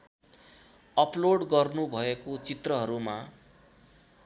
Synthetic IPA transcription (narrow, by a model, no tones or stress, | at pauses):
ʌploɽɡʌrnubʱʌekot͡sit̪rʌɦʌɾuma